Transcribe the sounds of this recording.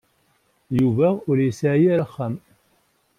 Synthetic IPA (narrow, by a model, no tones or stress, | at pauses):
juvæʊɾjəsʕjæɾaχːəm